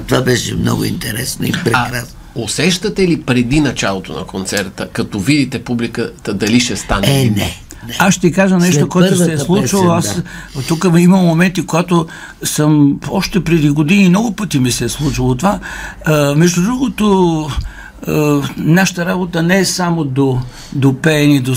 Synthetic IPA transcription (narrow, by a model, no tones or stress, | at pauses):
t̪ovabɛʃɛ̰mnɔ̰ɡʊ̰ḭnt̪ɛɾɛ̰sno̰ḭpɾɛakɾas | osɛʃt̪ət̪ɛlipɾɛd̪inɐt͡ʃalˠot̪o̰nɐ̰kont̪sɛɾt̪əkɐt̪ɔvid̪it̪ɛpublikət̪əd̪ɐliʃɛst̪aninɛ̰ | nɛasʃt̪ɛikaʒənɛʃt̪okoɛossɛslˠut͡ʃilˠoast̪ukəimɐmːomɛnt̪ikoɡat̪o | səmɔʃt̪ɛpɾɛd̪iɡod̪inimnɔɡʊpət̪imisɛslˠut͡ʃilˠot̪ova | mɛʒd̪ʊd̪ɾuɡot̪o | naʃə̥t̪əɾabot̪ənɛɛsamod̪o | d̪opɛnid̪o